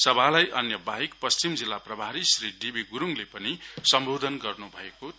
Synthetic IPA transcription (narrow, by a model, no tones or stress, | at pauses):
sʌbʱalajʔʌnjʌbaɦikpʌst͡ʃimd͡zilːaprʌbʱaɾisriɖibʱiɡuɾuŋlepʌnisʌmbʱod̪ʱʌnɡʌrnubʱʌeko